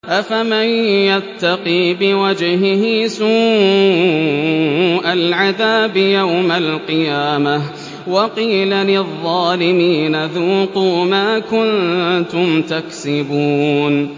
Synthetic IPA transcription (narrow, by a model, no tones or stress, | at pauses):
ʔafamɪnjat̪ːɑqiːbɪwad͡ʒhɪhɪsuː | ʔalʕaðaːbjawmalqɨjaːma | wɑqiːlalɪðˤːɑːlɪmiːnaðuːqumaːkʊnt̪ʊmt̪aksɪbuːn